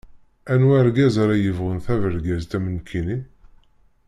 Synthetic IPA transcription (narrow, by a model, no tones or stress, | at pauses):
ænwæɾɡæzaɾæjəvʁənθævəɾɡæzt̪æmənkʰini